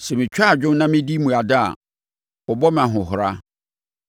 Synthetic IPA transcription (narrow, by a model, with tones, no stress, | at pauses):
sɛ˨mɪ̃˨t͡ɕᶣa˦˨d͡ʑᶣʊ̃˦n˦nã˦mɪ̃˦di˦mũ˨a˨da˦a̰˨ | ɔ˨bɔ˦mã˨ɦʊ̃˨ɦʊ˨ɾa˦